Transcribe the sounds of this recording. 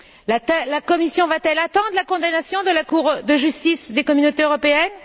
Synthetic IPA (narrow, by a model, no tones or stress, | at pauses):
laɛlakɔmisjɔ̃vat̪ɛlat̪ɑ̃d̪ʁlakɔ̃d̪anasjɔ̃d̪əlakuʁd̪əʒyst̪isd̪ekɔmynot̪eøʁɔpeɛn